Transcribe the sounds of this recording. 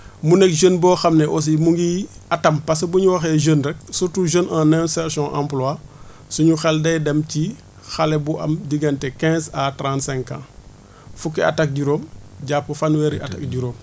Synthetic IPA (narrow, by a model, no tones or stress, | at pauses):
munɛk̚ʒənbɔːxɐmnɛʔɔs̬imuŋɡiɐtɐmpɐs̬ɐbuɲuwɐxɛʒənɾɛk̚sutuʒənʔãnɛsɛɾsɔ̃ʔã̰mplɔa | suɲuxɛldɛjdɛmci | xɐlɛbuʔɐ̰mdiɡɐntɛkɛ̃ːzatɾãntsɛ̃ŋkːã̰ | fukːɛɐ̰tak̚ɟuɾoːmɟapːɐfanwɛɾiʔɐtak̚ɟuɾoːm